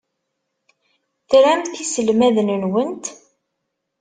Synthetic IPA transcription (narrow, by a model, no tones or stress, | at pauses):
θɾæmt̪θisəlmæðnənwənt̪